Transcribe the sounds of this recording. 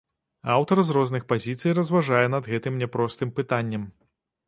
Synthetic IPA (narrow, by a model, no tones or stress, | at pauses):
awt̪ɐrzrɔzn̪ɨxpazʲit̪sɨjɾɐzvaʐajɛnɐd̪ɣɛt̪ɨmnʲɛpɾɔst̪ɨmpɨt̪anʲːɐm